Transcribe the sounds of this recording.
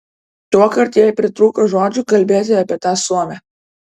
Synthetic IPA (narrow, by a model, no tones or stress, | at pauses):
t̪uɔkɐɾt̪jɛjpʲɾʲɪt̪ɾuːkoʒoːd͡ʒʲʊkɐlʲbʲeːt̪ʲɪɐːpʲiɛt̪ɑːsuɔmʲɛ